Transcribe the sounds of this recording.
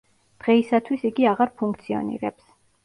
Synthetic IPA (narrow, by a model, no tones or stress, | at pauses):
d̪̥ʁɛisat̪ʰwisiɡiaʁaɾpʰuŋk̚ʰt̪sʰiɔ̰nḭɾɛps